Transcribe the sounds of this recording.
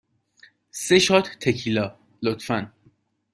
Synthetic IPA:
seʃɒːt̪ʰt̪ʰecʰilɒː | lot̪fæn

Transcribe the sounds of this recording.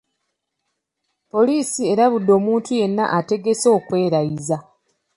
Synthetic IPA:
po̞liːsie̞ɾaβudːo̞ːmuːntʰuje̞nːa̰ʔate̞ɡe̞so̞ːkwe̞ːɾaiza

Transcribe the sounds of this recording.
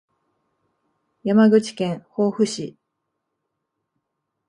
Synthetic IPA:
jamaɡɯ̟t͡ɕi̥kẽ̞ɰ̃ho̞ːɸɯ̟ɕi

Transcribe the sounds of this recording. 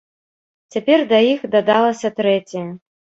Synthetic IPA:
t͡sʲapʲɛrd̪ɐjixd̪ɐd̪alˠɐsʲɐt̪ɾɛt͡sʲɐjɐ

